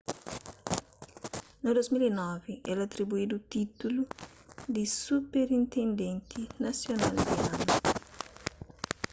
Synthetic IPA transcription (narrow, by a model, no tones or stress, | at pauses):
nald̪ozmilenɔviʔɛlat̪ːɾibuiːd̪ut̪it̪ulu | d̪isupeɾint̪end̪ɛnt̪ʰinasjonald̪ianu